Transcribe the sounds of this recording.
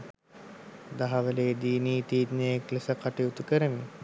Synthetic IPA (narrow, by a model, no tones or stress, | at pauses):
d̪aɦɐʋəleːd̪iːniːt̪iːd̪nejeklesəkaʈijut̪ukəɾəmi